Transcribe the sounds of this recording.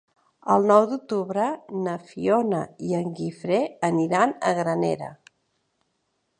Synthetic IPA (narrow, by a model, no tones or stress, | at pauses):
əlˠnɔwd̪uk̚t̪uβɾənəfionəiəŋɡifɾeəniɾanəɣɾənḛɾə̰